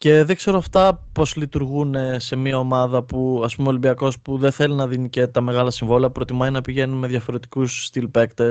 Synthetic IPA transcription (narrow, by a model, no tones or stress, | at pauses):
ce̞ðe̞ɡ̥se̞ɾoɐft̪ɐpo̞zlit̪uɾɣune̞se̞miɐo̞mɐðɐpuɐspumeolimbiɐko̞spuðenθe̞linɐðinice̞t̪ɐme̞ɣɐlɐsiɱvo̞liɐpɾo̞t̪imɐninɐpiʝe̞nume̞ðʝɐfo̞ɾe̞t̪i̥kusːt̪ilpe̞kt̪e